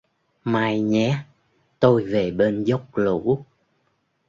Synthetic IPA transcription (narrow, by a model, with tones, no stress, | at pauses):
maː˧˩jɲɛ˨˦ | t̪o˧jve˨˩ɓe˧nzə˦˥wk͡p̚lṵ˧˥˦